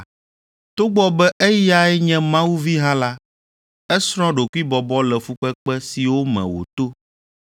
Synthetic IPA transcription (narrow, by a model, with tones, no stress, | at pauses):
t̪o˦ɡ͡bɔ˦bɛ˦ʔɛ˦ja˦ɛ˦ɲɛ̃˦mã˦wu˦vi˦ɦã˦la˦ | ɛ˦sɾ̃ɔ̃˦ɖo˨ku˦i˦bɔ˨bɔ˦lɛ˨fu˦k͡pɛ˦k͡pɛ˦si˨wo˦mɛ̰̃˨wo̰˨t̪o˦